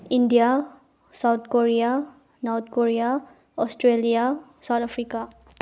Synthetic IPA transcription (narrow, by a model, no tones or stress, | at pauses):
indija | sawt̪̚ʰkoɾija | nɔɾt̪ʰkoɾija | ɔstɾelijasawt̪ʰapʰɾika